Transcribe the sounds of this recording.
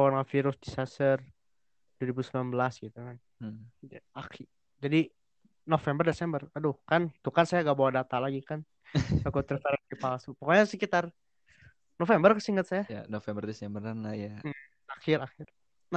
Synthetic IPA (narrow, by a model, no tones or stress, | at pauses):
ɔnafiɾʊsdisasər | duaɾibusəmblanbəlasɡit̪ukan̩ | d͡ʒaakɪ | d͡ʒadi | nofɛmbərdesɛmbəradʊhkanit̪ukansajaɡaʔbawadat̪alaɡikan | akut̪ərfaɾakipalsupəkoɲansəkit̪ar | nofɛmbərkasiŋət̪̚sajaja̰nofɛmbərdɛsɛmbəɾanlaja | akɪɾakɪr | na